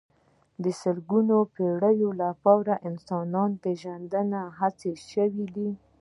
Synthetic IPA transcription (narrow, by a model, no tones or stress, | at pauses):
d̪əsəlɡunopeɽəjolapɑwɾaʔɪnsɑnɑnpeʒand̪ənaɦat͡seʃəwid̪i